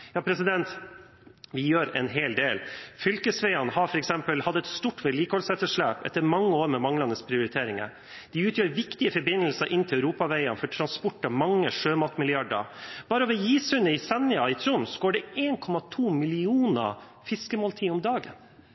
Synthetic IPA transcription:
jɑːpʰɾɛsɪd̪ɛnt̪ | ʋɪjøːɾɛ̰nɦeːld̪eːlfʏlkəsʋæɪɑnəhɑɾfɔɾɛksɛmpəlhɑd̪ːəɛt̪st̪uːʈʋeːliːkəhɔlsɛt̪əʂɭæːpɛ̰t̪ːəɾmɑŋːəoːɾmɛmɑŋlɑnəspʰɾɪʊɾɪt̪ʰeːɾɪŋə̰ɾ | d̪̥ɪʉːt̪ʰjøːɾʋɪkt̪ɪəfɔɾbɪnːəlsəɾʔɪnt̪ɪlœʉɾuːpɑʋæɪɑnfɔʈʰɾɑnspʊʈːɑmɑŋːəʂøːmɑːt̪mɪlɪɑɖə̰ɾb̥ɑːɾəɔʋɛɔjiːsʉnəɪsɛnɪɑɪt̪ʰɾʊmsɡoːɖɛeːnkʰɔmːɑt̪ʰuːmɪlɪuːnə̰ | fɪskəmoːlt̪ʰiːʊmd̪ɑːɡən

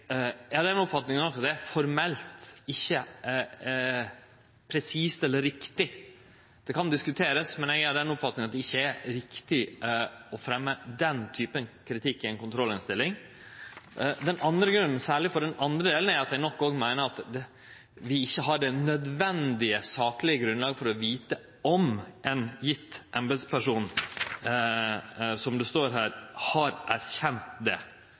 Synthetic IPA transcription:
ɛhɑɖ̪ɛnʊpfɑt̪nɪŋənɔkːɑt̪̚d̪ɛæfɔɾmɛlt̪ɪçːə | pʰɾɛsiːst̪ɛlːəɾɪkt̪ɪ | d̪̥ɛkʰɑnd̪ɪskʉt̪ʰeːɾəsmɛnɛɡɑɖ̪ɛnʊpfɑt̪nɪŋɑt̪̚d̪ɛɪçːəæɾɾɪkt̪ɪ | ɔfɾɛmːəd̪ɛnt̪ʰyːpənkʰɾɪt̪ʰɪkːɛnkʊnt̪ʰɾɔlːɪnst̪ɪlːɪŋ | d̪ɛnʔɑnd̪ɾəɡɾʉnːn̩sæːɭɪfɔɖɛnɑnd̪ɾəd̪eːln̩æɾɑt̪jæɪnɔkːoːɡmæɪnəɾɑt̪d̪ɛ | ʋɪɪçːəɦɑɖɛnœd̪ʋɛnd̪ɪəsɑːklɪəɡɾʉnlɑːɡəfɔɾɔʋiːt̪ə | ɔmʔɛnjɪt̪ːʔɛmbɛd̪spʰæʂuːn | sɔmd̪ʉst̪oːɾɦæːɾhɑɾʔæɾçɛnt̪d̪ɛ̰

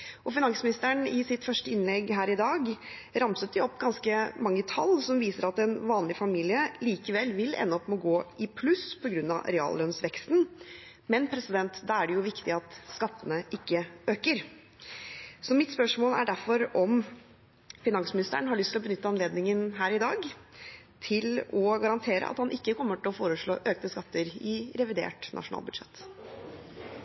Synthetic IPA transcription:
ʔɔfɪnɑŋsmɪnɪst̪əɳɪsɪt̪fœʂʈəɪnlɛɡːɦæːɾɪd̪ɑːɡ | ɾɑmsət̪̚d̪ɪɔpːɡɑnskəmɑŋːət̪ʰɑ̰lːsɔmʋiːsəɾɑt̪ɛnʋɑːnlɪfɑmiːlɪəliːkəʋɛlʋɪlʔɛ̰nːəɔpːmoɔːɡoːɪpʰlʉspʰɔɡɾʉnːɑ̰ɾɛɑ̰ːllœnsʋɛkst̪n̩ | mɛnpʰɾɛsɪd̪ɛnt̪d̪ɑæɖɛjʊʋɪkt̪ɪɑt̪skɑt̪ːənəʔɪkːəøːkəɾ | sɔmɪt̪spœʂmoːlæɖæɾfɔɾɔm | fɪnɑŋsmɪnɪst̪ə̰əɳɦɑɭʏst̪ʰɪlɔbənʏt̪ːəɑnleːd̪nɪŋənɦæːɾɪd̪ɑːɡ | t̪ʰɪlɔɡɑɾɑnt̪ʰeːɾə̰ʔɑ̰t̪hɑnʔɪkːəkʰɔmːəʈɪlɔfoːɾəʂɭo̰ːʔøːkt̪əskɑt̪ʰːəɾɪɾɛʋɪd̪ḛːʈnʔɑ̰ʂʊnɑ̰ːlbʉd̪ʂɛ̰t̪ː

